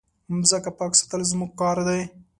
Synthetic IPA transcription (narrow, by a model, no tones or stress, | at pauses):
mzəkapɑːksḁt̪əlzmuɡ̚kɑːɾd̪aj